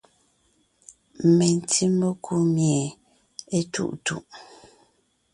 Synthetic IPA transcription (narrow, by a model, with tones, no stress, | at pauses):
m˨me˨n˨tʰi˦mo˦kʰu˦mje˨ | e˦tṵ˦ʔtṵ˦ʔ